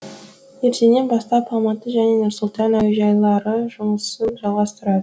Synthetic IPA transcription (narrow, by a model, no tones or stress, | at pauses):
jeɾʃene̞nbɑst̪ɑpʰɑmɑt̪əʒæne̞nʊɾsʊlˠt̪ɑnæwʒɑjlˠɑɾəʒʊməsəzʒɑlˠʁɑst̪əɾɑd̪ə